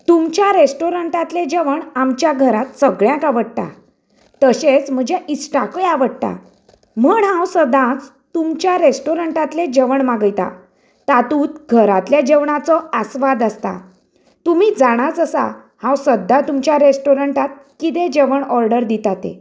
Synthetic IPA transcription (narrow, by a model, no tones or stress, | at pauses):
t̪umt͡ɕjaɾesʈoɾəɳʈat̪led͡ʑeʋəɳamt͡ɕjaɡʱəɾat̪səɡɭjãkaʋəɽt̪a̰ | t̪əɕet͡sm̤əd͡ʑeʔisʈakəjaʋəɽt̪a̰ | məɳɦãwsəd̪ãt͡s | t̪umt͡ɕjaɾesʈoɾəɳʈat̪led͡ʑeʋəɳmaɡəjt̪a̰ | t̪at̪uːt̪ɡʱəɾat̪ljad͡ʑeʋɳat͡sɔəsʋad̪əst̪a̰ | t̪um̤iːd͡zaɽ̃at͡səsa̰ | hãwsəd̪ʱːat̪umt͡ɕjaɾesʈoɾəɳʈat̪̚kit̪ed͡ʑeʋəɳɔɾɖəɾd̪it̪at̪ḛ